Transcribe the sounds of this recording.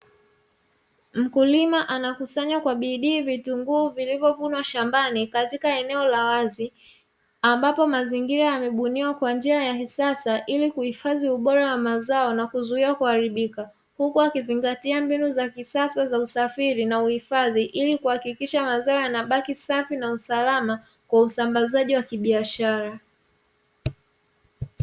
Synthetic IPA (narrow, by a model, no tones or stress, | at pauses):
m̩kulimaʔanakusaɲwakwaɓiɗiːvituŋɡuːvilivjɔvunwaʃambanikatikaɛnɛɔlawazi | ambapɔmaziŋɡiɾajamɛɓuniwakwand͡ʒiajahisasaʔilikuhifaðiuɓɔɾawamazaɔnakuzuiakuhaɾiɓika | hukuakiziŋɡatiambinuzakisasazausafiɾinauhifaðiʔilikuhakikiʃamazaɔjanaɓakisafinausalama | kwausambazaʄiwakiɓiaʃaɾa